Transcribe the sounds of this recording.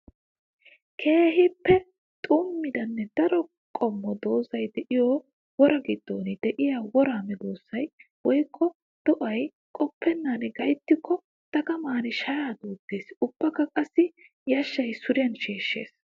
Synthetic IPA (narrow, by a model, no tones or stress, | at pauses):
kʰe̞ːɦɪpːɛ | t̪ʼʊmːɪd̪ɐnːɛd̪ɐɾɔ | kʼɔmːɔd̪o̞ːzɐjd̪ɛʔɪjɔː | wɔɾɐɡɪd̪̥ːoːnɪd̪ɛʔɪjaːwɔɾaːmɛd̪oːsːɐj | wɔjkʰːɔ | d̪̥ɔʔɐj | kʼɔpʰːɛnːanɪɡɐjt̪ːɪkʰːɔ | t̪ɐɡɐmaːnɪʃɐjaːd̪uːɡːe̞ːsʊb̥ːɐkːɐkʼɐsːɪ | jɐʃːɐjsʊɾɪjɐnʃeːʃːḛːs